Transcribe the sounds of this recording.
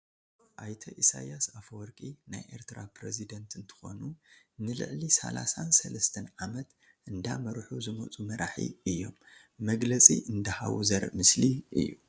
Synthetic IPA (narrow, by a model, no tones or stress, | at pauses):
ʔajt̪ʰɐʔisajasafwɔɾkʼinajʔe̞ɾt̪ʰɨɾapɾezid̪ɐnt̪ɨnt̪ʰɨ̥xo̞̰nunɨlɨ̰ʕlisɐ̰la̰sansɐlɐst̪ʰɐnʕamɐt̪ | ʔɨnd̪amɐɾħuzɨmot͡sʼumɐɾaħḭɨjːo̞̰mː | ɐɡlɐt͡sʼḭʔɨnd̪ɐha̰wzɐɾmɨsliʔɨ̰jːu